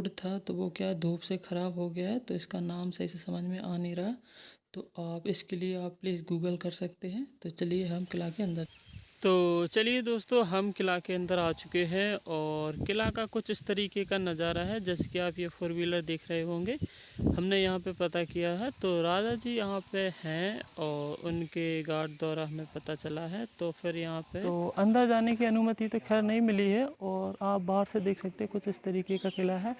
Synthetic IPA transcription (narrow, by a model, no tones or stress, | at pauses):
ɽt̪ʰat̪oʋokjaːd̪ʱuːpsexɐɾaːbɦoɡɐjaɦɛt̪oɪskanaːmsɐisesɐməd͡ʒʱmẽʔaːneɾaɦt̪oaːpɪskelieaːpːliːsɡuːɡəlkɐɾsɐk̚t̪eɦɛ̃t̪ot͡ʃɐlieɦɐmkɪlakeɐ̃nd̪əɾt̪oːt͡ʃɐlied̪oːst̪õɦɐmkɪlakeɐ̃nd̪əɾaːt͡ʃʊ̥keɦɛ̃ɔːɾkɪlakakʊt͡ʃʰɪst̪ɐɾiːkekanɐzaːɾaɦɛd͡ʒɛːse̥kiaːpjefoːɾmiːləɾd̪eːkʰɾɐɦeɦõːŋɡeː | hɐmnejɐɦãpepɐt̪akijaɦɛt̪oːɾaːd͡ʒad͡ʒiːjɐɦãpehɛ̃ɔːɾʊ̰nkeɡaːɖ̚d̪ɔːɾaɦɐmẽpɐt̪at͡ʃɐlaɦɛt̪ofʰɪɾjɐɦãpeoːɐ̃nd̪əɾd͡ʒaːnekiɐnʊmət̪it̪okʰɛɾnɐɦĩmɪliɦɛɔːɾaːp̚baːɦɾsed̪eːksɐk̚t̪ẽɦɛ̃kʊt͡ʃʰɪst̪ɐɾiːkekakɪlaɦɛː